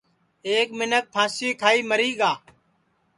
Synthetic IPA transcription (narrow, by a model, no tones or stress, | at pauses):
eːk̚mɪnək̚pʰãːsiːkʰaːiːməɾiːɠaː